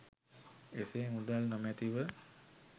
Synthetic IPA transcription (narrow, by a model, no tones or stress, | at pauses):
esemud̪alnomæt̪iʋə